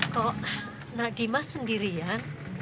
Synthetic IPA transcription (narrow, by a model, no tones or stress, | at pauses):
kɔʔ | naʔdimasəndiɾija